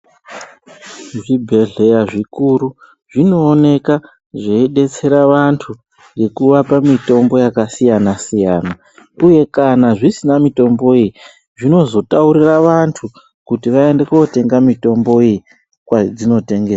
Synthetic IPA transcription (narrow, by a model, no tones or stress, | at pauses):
ʐibʱe̞ɮe̞jaʐikuɾu | ʐino̞ːne̞ka | ʐeiɗe̞t͡se̞ɾaʋantʰu | ŋɡe̞kuʋapamito̞mbo̞jakasijanasijaːna | uje̞kanaʐisinamito̞mbo̞ii | ʐino̞zo̞tauɾiraʋantʰu | kutiʋae̞nde̞kuote̞ŋɡamito̞mbo̞ii | kwad͡zino̞te̞ŋɡesa